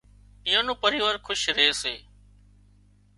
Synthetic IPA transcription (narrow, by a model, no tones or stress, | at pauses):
ijõːnõːpəɾiːʋəɾkʰʊʃɾeːseː